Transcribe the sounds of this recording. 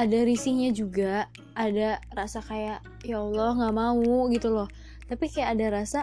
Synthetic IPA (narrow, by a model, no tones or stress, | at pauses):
adaɾisɪk̚ɲad͡ʒuɡaː | darasakajaʔ | jaɔlɔhŋɡaʔmauɡit̪ulɔh | t̪apikajaʔːdaɾasa